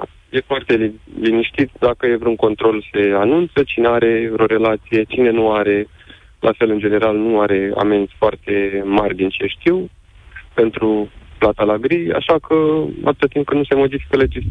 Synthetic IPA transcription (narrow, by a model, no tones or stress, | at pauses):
je̞foart̪e̞liniʃt̪it̪t̪d̪akəje̞vɾeunko̞nt̪ɾo̞lse̞anunt̪sət͡ʃine̞aɾe̞vɾo̞ɾe̞lat̪sije̞t͡ʃine̞nuaɾe̞ | lʔa̰fe̞lɨnd͡ʒe̞ne̞ɾalnuaɾe̞a̰me̞nt̪ʲfoart̪e̞marʲd̪int͡ʃe̞ʃt̪iw | pe̞nt̪ɾuplat̪alaɡɾija̰ʃakʰəa̰t̪ɨt̪ət̪imp̚kənuse̞mo̞d̪ifi̥kəled͡ʒis